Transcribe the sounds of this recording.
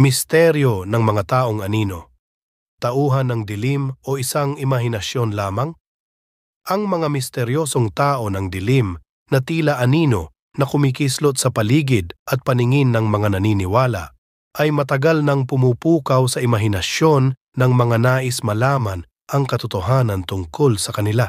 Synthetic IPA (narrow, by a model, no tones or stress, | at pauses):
mɪst̪ɛɾjonɐŋmɐŋat̪aːʔoŋɐniːno | t̪ɐʔuːɦɐnːɐŋd̪ɪlimʔoʔɪsaŋɪmɐɦɪnɐʃjonlaːmaŋ | ʔɐŋmɐŋamɪst̪ɛɾjoːsoŋt̪aːʔo̞nɐŋd̪ɪlim | nɐt̪iːlaʔɐniːno̰ | nɐkʊmikɪslot̪̚sɐpɐliːɡɪd̪ʔɐt̪̚pɐnɪŋɪnːɐŋmɐŋanɐniːnɪwaːla̰ʔ | ʔɐjmɐt̪ɐɡalnɐŋpʊmuːpuːkawsɐʔɪmɐɦɪnɐʃjo̞nː | ɐŋmɐŋanaːʔɪsmɐlaːman | ʔɐŋkɐt̪ʊt̪ʊɦaːnɐnt̪ʊŋkolsɐkɐnɪla